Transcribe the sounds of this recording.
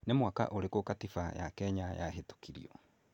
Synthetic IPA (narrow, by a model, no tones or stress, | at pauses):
nemwaka̰ʔoɾekokatifaja̰kɛɲajaɦeto̥kiɾḭɔ